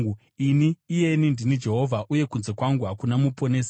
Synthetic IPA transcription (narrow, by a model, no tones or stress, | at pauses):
iniːje̞nindinid͡ʒe̞ɦo̞vʱaʔuje̞kunze̞kwaŋɡuɦakunamupʰoneːsa